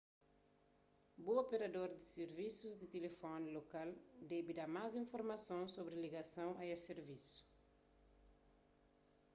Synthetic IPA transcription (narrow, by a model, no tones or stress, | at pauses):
boopeɾad̪oɾd̪iseɾvisuzd̪it̪elefɔnlokald̪ɛbid̪amazĩɱfoɾmɐsõnsobɾiliɡasɐ̃w̃ajeseɾvisu̥